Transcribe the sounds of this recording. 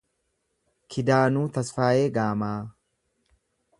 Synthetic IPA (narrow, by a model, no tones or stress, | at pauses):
kʰɪd̪aːnuːt̪ɐsfaːjeːɡaːmaː